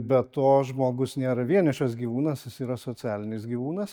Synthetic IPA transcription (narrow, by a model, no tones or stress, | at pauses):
bʲɛt̪oːʒmoːɡʊsnʲeːɾɐʋʲiɛnʲɪʃɐs̬ɡʲiːʋuːnɐsjɪsiːɾɐsoːt͡sʲæːlʲɪnʲɪsɡʲiːʋuːnɐs